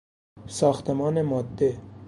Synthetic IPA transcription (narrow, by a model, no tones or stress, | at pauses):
sɒːxt̪emɒːnemɒːd̪ːe